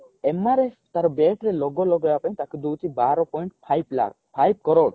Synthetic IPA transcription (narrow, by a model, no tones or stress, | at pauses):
emaɾe | t̪aɾbeʈɾɛlɔɡɔlɔɡɔjapajt̪aked̪ut̪ibaɾɔpɔjɳʈpʰajbla̰ | pʰajb̚kɔɾɔt̪